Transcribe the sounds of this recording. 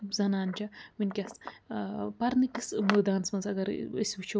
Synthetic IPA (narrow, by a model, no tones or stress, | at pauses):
zɐnaːnt͡ʃʰʲaminʲkʲɐs | pɐɾnɨkismɨd̪aːnsmɐnzɐɡɐɾisʲut͡ʃʰi